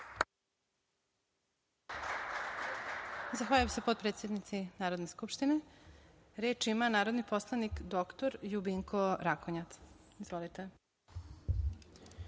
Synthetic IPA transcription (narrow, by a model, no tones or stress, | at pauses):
zaxʋaːʎujemsepod̪̚pɾet̪sʲjed̪nit̪sinaːɾo̞d̪neskupʃt̪ine | ɾeːt͡ʃimanaːɾod̪nipo̞slˠanikd̪okt̪oɾjubiŋkʰoɾakoɲat̪ | izʋolit̪e